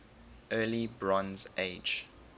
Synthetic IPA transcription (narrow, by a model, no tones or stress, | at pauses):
ʔɜːlibɹɔ̃nzeɪd͡ʒ